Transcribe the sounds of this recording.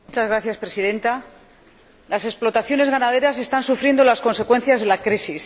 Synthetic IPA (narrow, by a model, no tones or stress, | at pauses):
mut͡ʃazɣɾaθjaspɾe̞siðẽ̞nt̪a | lase̞ksplo̞t̪aθjo̞ne̞zɣanaðeɾas̬e̞st̪ansufɾje̞nd̪o̞lasko̞nse̞kwe̞nθjazðe̞lakɾisis